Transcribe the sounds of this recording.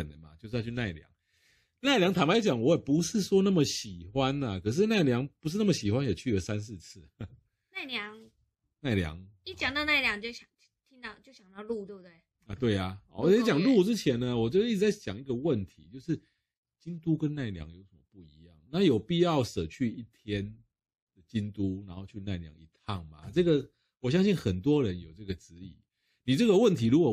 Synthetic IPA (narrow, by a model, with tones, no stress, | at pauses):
ə˨˩nə̰˨˩ma̰˨t͡ɕjo˥˧ʂ̩ʰ˥˧˥y˥˧na˥˩ɪljɑ̰˨˧˦ŋ | na˥˩ɪljɑ˧˥ŋt̪ʰa˨˥ma˧˥jt͡ɕjɑ˨˩ŋwɔ˦˥jɛ˨˩pu˨˦ʂɻ̩˥˩swɔ˥na˥˩mə˨ɕi˨˩xwa˦nɐ˨kʰɤ˨˩ʂ̬ɻ̩˥˧na˥˩ɪljɑ˧˦ŋpu˧˥ʂ̬ɻ̩˥˧na˥˩mə˨˩ɕi˨˩xwa˦njɛ˨˩t͡ɕʰy˥˩lə˩sa˦ns̬ɹ̩˥˧t͡s̩ʰ˥˩ | na˥˩ɪljɑ˧˦ŋ | na˥˩ɪljɑ̰˧˦ŋi˥˩t͡ɕja˨˩ŋt̪ɑ˥˧ʊna˥˩ɪljɑ˥ŋt͡ɕjo˥˩ʊɕjɑ˨˩ŋ˥t̪ʰi˦ŋt̪ɑ˥˧ʊt͡ɕjo˥˩ʊɕjɑ˨˩ŋt̪ɑ˥˧ʊlu˥˩t̪we˥˧˩bt̪we˥˩ | ə˧˩t̪we˥˩ɪɐ˨˩˨wɔ˨˩˥t͡ɕjɑ˨ŋlu˥˩ʈ͡ʂɻ̩˦t͡ɕʰjɛ˨˦nnə˧wɔ˨˩t͡ɕi˥t͡sɻ̩˧˩t͡sa˥˩ɪt͡ɕjɑ̰˨˩ŋi˧˥ɡə˨wə˥˨nt̪ʰi˧˦t͡ɕjo˥˧ʊʂɻ̩˥˩ | t͡ɕi˦nt̪u˥kə˦nna˥˩ɪljɑ̰˧˦ŋjo˧˥ʊʂə˨˩mə̰˦pu˥˩ḭ˧˥jɑ˥˩ŋna˥jo˨˩ʊpi˥˧jɑ˥˩ʊsə˨˩t͡ɕʰy˥˧i˥˩t̪ʰjɛ˦n | d̪̥ə˩t͡ɕi˦˥nt̪u˦na˨˦nxo˥˧ʊt͡ɕʰy˥˧na˥˩ɪljɑ̰˦ŋi˥˩t̪ʰɑ˥˩ŋma˩ʈ͡ʂɤ˥˩ɡə˨ | wɔ˨˩ɕ̬jɑ˥ŋɕi˥˩nxə˨˩nt̪wɔ˦˥ɻə˨˦njo˨˩ʊʈ͡ʂɤ˥˩ɡə˩t͡sɹ̩˧˦ḭ˨˩˦ | ni˨˩ʈ͡ʂə˥˩ɡə˨wə˥˨nt̪ʰi˧˥ɻu˧˥kwɔ˨˩